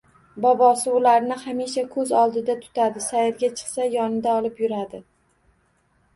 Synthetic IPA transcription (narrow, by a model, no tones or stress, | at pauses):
bɒbɒsɪʊlaɾnɪhamiʃakʰɵzɒlˠd̪ɪd̪at̪ʰʊ̥t̪ʰad̪ɪsajɪɾɡʲat͡ʃʰɨ̥qsajɒnɪd̪aɒlˠɪpjʊɾad̪ɪ